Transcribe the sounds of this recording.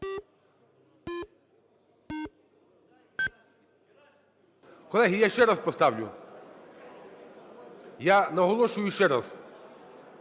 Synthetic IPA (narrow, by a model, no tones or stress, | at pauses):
kɔlɛɦijaʃɛɾaspɔst̪aʋʎʲṵ | janaɦɔlˠɔʃuiʃɛɾas